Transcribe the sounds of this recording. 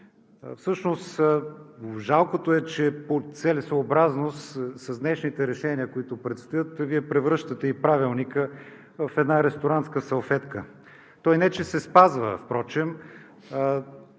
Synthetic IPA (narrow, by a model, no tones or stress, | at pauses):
fsɤʃnos | ʒalˠkot̪oɛt͡ʃɛpot̪sɛlisoːbɾaznost̪sɐzd̪nɛʃnit̪ɛɾɛʃɛniəkoit̪ʊpɾɛt̪st̪ojət̪viɛpɾɛvɾɤʃt̪ət̪ɛipɾavilˠnikə | fɛd̪naɾɛst̪oɾant̪skəsɐlˠfɛt̪kə | t̪ɔjnɛt͡ʃɛsɛspazvə̰fpɾɔt͡ʃɛm